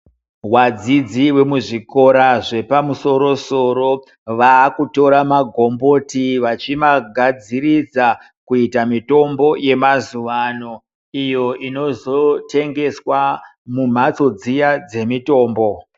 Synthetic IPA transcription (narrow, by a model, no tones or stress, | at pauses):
wad͡zid͡ziwe̞muʐiko̞ɾaʐe̞pamuso̞ɾo̞so̞ro̞ | ʋaːkuto̞ɾamaɡʱo̞mbo̞tiʋat͡ʃimaɡʱad͡zirid͡za | kuitamito̞mbo̞je̞mazuʋano̞ | ijo̞ʔino̞zotʰe̞ŋɡe̞swa | mum̤at͡so̞d͡zijad͡ze̞mito̞ːmbo̞